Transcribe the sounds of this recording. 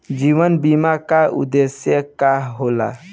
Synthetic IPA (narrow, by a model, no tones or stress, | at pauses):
d͡ʒiʋənbimakaṵd̪esjəkaɦɦola̰